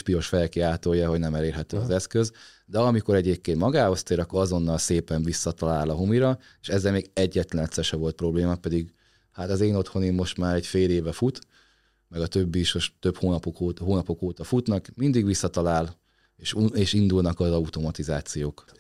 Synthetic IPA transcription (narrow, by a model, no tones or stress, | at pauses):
ʃpio̞ʃfɛjkiaːt̪o̞jːɒɦo̞ɟnɛmɛleːrɦɛt̪øːɒzɛskøz | d̪ɛɒmiko̞ɾɛɟeːp̚keːnt̪mɒɡaːho̞st̪eːɾɒkːoɾɒzo̞nːɒlseːpɛɱvisːɒt̪ɒlaːlɒɦumiɾɒ | eːʃɛzːɛlmeːɡɛɟːɛt̪lɛnɛt̪sɛʃɛvo̞lt̪̚pro̞bleːmɒpɛd̪iɡ | hat̪ɒzeːnot̪ho̞nimːo̞ʃt̪maːɾɛɟfeːleːvɛfut̪ | mɛɡɒt̪ø̞bːiiʃoʃt̪ø̞phoːnɒpokoːhoːnɒpo̞koːt̪ɒfut̪nɒkmind̪iɡʋisːɒt̪ɒlaːl | eːʃueːʃind̪ulnɒkɒzɒut̪o̞mɒt̪izaːt̪sijoːk